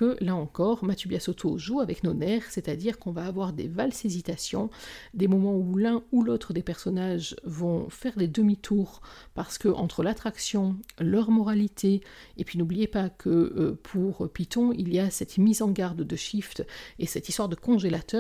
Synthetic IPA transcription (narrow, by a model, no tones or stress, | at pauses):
kəlaɑ̃kɔʁmat̪jøbjasot̪ʰoʒuavɛknonɛʁsɛt̪ad̪iʁkɔ̃vaːvwaʁd̪ḛvalsezit̪asjɔ̃d̪emɔmɑ̃ulɛ̃ulot̪χəd̪epɛʁsɔnaʒvɔ̃fɛʁd̪ed̪əmit̪ʰuːʁpaʁsə̥kəʔɑ̰̃t̪χəlat̪χaksjɔ̃lœʁmɔʁalit̪ʰe | epɥinublijepakʰəøpʰuʁpit̪ɔ̃iliasɛt̪mizɑ̃ɡaʁd̪d̪əʃift̪esɛt̪ist̪waʁd̪əkɔ̃ʒelat̪œːʁ